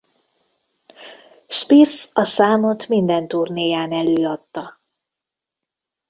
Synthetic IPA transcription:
ʃpirsɒsaːmo̞t̪mind̪ɛnt̪urneːjaːnɛløːɒt̪ːɒ

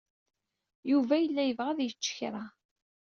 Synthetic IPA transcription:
juvæjəlːæjəvʁæðjət͡ʃːə̥çɾˤa

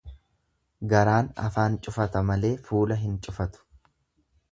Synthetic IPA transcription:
ɡɐɾaːnɐ̰faːnt͡ʃʼʊfɐt̪ɐmɐle̞ːfuːlɐɦɪnt͡ʃʼʊfɐt̪ʊ̥

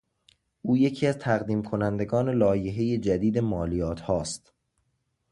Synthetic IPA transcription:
ʔuːje̞cʰiːæzt̪ʰæɣd̪iːmkʰo̞nænd̪e̞ɡɒːne̞lɒːje̞ɦe̞je̞d͡ʒæd̪iːd̪e̞mɒːlijɒːt̪ʰhɒːst̪

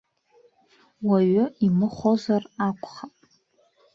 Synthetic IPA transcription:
waɥʊimɨχʷozarakʷʰʼχapʼ

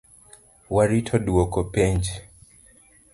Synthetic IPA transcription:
waɾitʰɔdwokɔpɛɲd͡ʒ

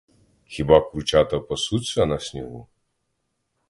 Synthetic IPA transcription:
xʲibakɾut͡ʃat̪ɐpɐsut͡sʲːɐnasʲnʲɛɣu

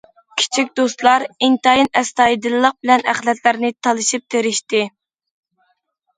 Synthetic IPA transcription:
kʲʰi̥t͡ʃʰikʲd̪ost̪lˠɑɾint̪ɑjinɛst̪ɑjid̪ɨlːəq̚bɪlɛnæχlɛt̪læɾnɪt̪ʰɑlˠɨʃip̚t̪ʰeɾɪʃt̪ɪ

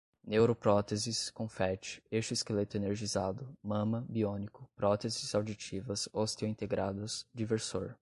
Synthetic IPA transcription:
newɾopɾɔt̪eziskõfɛt͡ʃɪ̥eʃʊiskelet̪ʊeneɾʒizad̪ʊmɐ̃mɐbiõnikʊpɾɔt̪ezɪzawd͡ʒit͡ʃivɐsost̪ewĩnt̪eɡɾad̪ʊsd͡ʒiveɾso̰ɾ

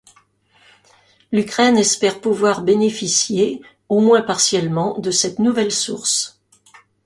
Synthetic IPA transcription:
lykχɛnɛspɛʁpuvwaʁbenefisje | omwɛ̃paʁsjɛlmɑ̃d̪əsɛt̪nuvɛlsuʁs

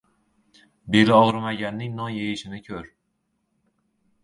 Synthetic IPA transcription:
be̞lɪɒʁɾmaɡʲanːɪŋnɒnjejɪʃɪnɪkʲʰɵɾ

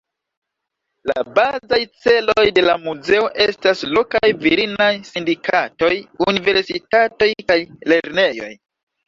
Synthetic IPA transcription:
la̰bazajt͡se̞lojde̞lamuze̞o̞ʔe̞staslo̞kajviɾinajsindikato̞junive̞ɾsitato̞jkajle̞ɾne̞jo̞̰j

